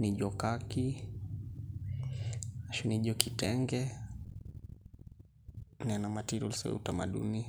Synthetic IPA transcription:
niʄɔkaki | aʃuniʄɔkitɛŋɡɛ | nianamatiɾɔ̰lsɛ̰wɛ̰utamaɗṵni

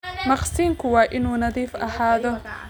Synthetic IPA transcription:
mɑqsiːŋkʰʊwɑːʔɪnuːnɐðiːfɐhaːðɔ

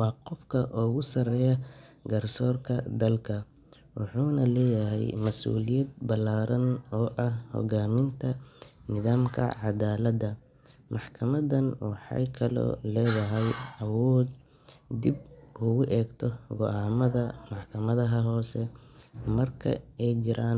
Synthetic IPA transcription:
wɑːqɔfkʰɐʔɔːɣʊsɐrɛjɐɡɐrsɔːrkʰɐd̪ɐlkʰɐ | wɑ̰ħuːnɐlɛːjɐɦɛ̰jmɐsṵːlɪjɐd̪̚bɐlaːɾɐnɔːʔɐhhɔ̰ɣaːmɪnt̪ʰɐnɪðaːmkʰɐ̰ʕɑd̪aːlɐd̪ɐ | mɑħkʰɐmɐðɐnwɑħɑ̰jkʰɐlɔ̰ːlɛːðɐɦɛjɐwɔːd̪̚ | d̪ibuːɣʊʔɛːɡt̪ʰɔɡɔʔaːmɐðɐmɑħkʰɐmɐðɐɦɐɦɔːsɛmɐrkʰɐ̰ɛjt͡ʃɪɾaːn

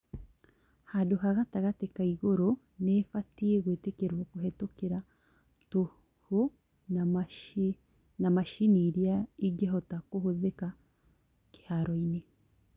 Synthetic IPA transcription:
hadoɦaɣataɣatekaiɣoɾo | nefatieɣwetekeɾwakoɦɛtokeɾa | to | ho | namaʃiniːɾiaiɡɛɦɔtakoɦoðeka | ke̥haɾɔine

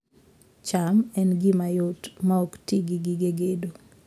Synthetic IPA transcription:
t͡ʃamɛnɡimajotmaoktiɡiɡiɡeɡedo

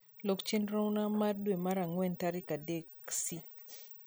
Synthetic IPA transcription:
lokt͡ʃenɾownamardwemaɾaŋwɛntaɾɪkadeksi

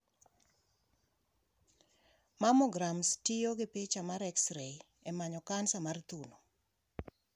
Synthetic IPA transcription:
mamɔɡɾamstijoɡepet͡ʃamaɾɛksɾej | ɛmaɲɔkansamart̪uno

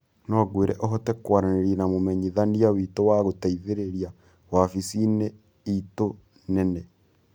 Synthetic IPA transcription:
nɔaɣweɾʔɛʔɔɦɔtɛkwaɾaneɾinamomɛɲiðaniawitowaɣotaiðeɾeɾja | wafisine | ito | nɛnɛ

